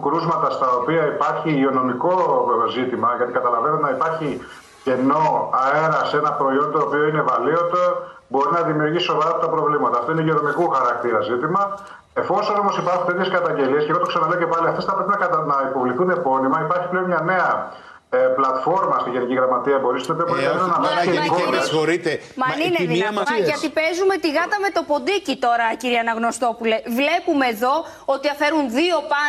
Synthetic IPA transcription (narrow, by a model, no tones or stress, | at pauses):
kɾuzmɐt̪ɐst̪ɐopiɐipɐɾçiʝio̞no̞miko̞zit̪imɐʝɐt̪ikɐt̪ɐlɐvenet̪enɐipɐɾçi | ce̞no̞ɐe̞ɾɐseenɐpɾo̞io̞nd̪oːpio̞ine̞vɐlio̞t̪obo̞ɾinɐðimiuɾjʝisso̞vɐɾɐpot̪ɐpɾo̞vlimɐt̪ɐːft̪oineʝio̞no̞mikuxɐɾɐk̚t̪iɾɐzit̪imɐ | e̞fo̞so̞no̞mo̞sipɐɾxunt̪et̪eskɐt̪ɐɲɟe̞liesce̞ɣot̪oksɐnɐle̞oce̞pɐliɐft̪esθɐpɾe̞pinɐɐnɐipo̞vliθune̞po̞nimɐipɐɾçi̥ple̞omɲɐne̞ɐ | eplɐt̪fo̞ɾmɐst̪iʝe̞niciɣɾɐmɐt̪iɐbo̞ɾist̪et̪pɾkɐet̪enɐmɐsekoɐoɾit̪emɐninenmɐʝɐt̪ipezume̞t̪iɣɐt̪ɐme̞t̪o̞po̞nd̪icit̪o̞ɾɐciɾiɐnɐɣno̞st̪o̞pulevle̞pume̞ːðo̞ | ot̪iɐfe̞ɾunðio̞pɐ